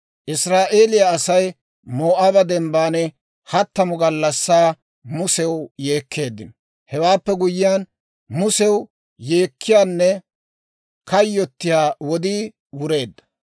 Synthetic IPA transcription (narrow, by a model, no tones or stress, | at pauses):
ʔɪsɾaːʔe̞ːlɪjaːsɐj | moːʔabɐd̪ɛmbaːnɛ | hɐt̪ːɐmʊɡɐlːɐsːaː | mʊsɛwje̞ːkʰːe̞ːd̪ːɪnɔ | hɛwaːpːɛɡʊjɪjaːn | mʊsɛw | je̞ːkːɪjaːnːɛ | kɐjːɔt̪ːɪjaːwɔd̪iː | wʊɾe̞ːd̪ːɐ̥